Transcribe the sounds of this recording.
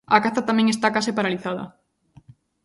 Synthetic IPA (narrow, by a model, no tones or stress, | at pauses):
ɐkaθat̪amɛ̃ŋest̪akasɪpaɾaliθaðɐ̰